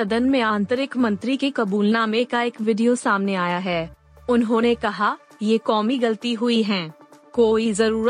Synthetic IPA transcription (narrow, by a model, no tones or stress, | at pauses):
sɐd̪ənmẽãːnt̪əɾɪkmɐ̃nt̪ɾikekɐbuːlnãːmekaeːkʋɪɖijosaːmneaːjaɦɛː | ʊnɦõːnekɐɦa | jekɔːmiɡɐlt̪iɦʊiɦɛ̃ːkoːizɐɾuːɾə